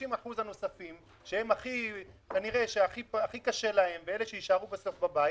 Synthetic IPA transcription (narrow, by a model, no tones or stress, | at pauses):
imaħuzhano̞safim | ʃehe̞maχikaniʁe̞ʃeaχipaχikaʃe̞lahe̞mveele̞ʃeiʃaʁubeso̞fbabai